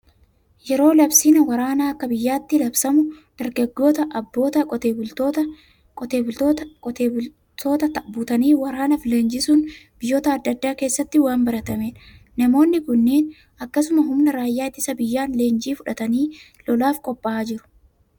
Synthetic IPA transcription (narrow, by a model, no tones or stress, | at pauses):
jɛɾo̞ːlɐbsiːnɐwɐɾaːnaːɐkːɐbɪjːaːt̪ːɪlɐbsɐmʊd̪̥ɐɾɡɐɡːo̞ːt̪ɐʔɐbːo̞ːt̪ɐkʼɔt̪eːbʊlt̪oːt̪ɐ | kʼɔt̪e̞ːbʊlt̪oːt̪ɔt̪eːbʊ | t̪o̞ːt̪ɐt̪ɐbuːt̪ɐniːwɐɾaːnɐfɪleːnd͡ʒɪsuːnb̥ɪjːo̞ːt̪ɐːd̪ːɐd̪ːaːke̞ːsːɐt̪ːɪwaːmbɐɾɐt̪ɐmeːᶑɐ̥ | nɐmo̞ːnːɪkʊnːeːn | ɐkːɐsʊmɐɦʊmnɐɾaːjːaːɪt̪ːɪsɐbɪjːaːnle̞ːnd͡ʒiːfʊᶑɐt̪ɐniː | lɔlaːfkʼɔpːɐaːd͡ʒɪɾʊ̥